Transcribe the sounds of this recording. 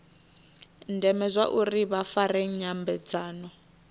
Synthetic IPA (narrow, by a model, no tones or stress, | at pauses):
ndɛmɛzʷaʔuriβafareŋ̩ɲambɛd͡zaːnɔ